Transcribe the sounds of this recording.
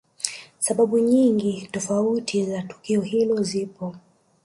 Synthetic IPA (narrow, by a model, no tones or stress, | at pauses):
saɓaɓuɲiŋɡitɔfautʰizatu̥kiɔhilɔzipɔ